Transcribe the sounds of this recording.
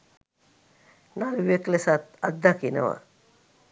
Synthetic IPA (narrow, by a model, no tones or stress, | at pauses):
naɾʋijəklesat̪ad̪ːakinə̰ʋa̰